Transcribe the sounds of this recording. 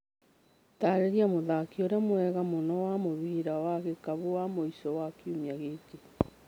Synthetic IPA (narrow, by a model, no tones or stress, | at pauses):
taɾeɾjamoðakioɾeamwɛɣamonɔwamoβiːɾawaɣekaβowamoisɔwakiumjaɣeːke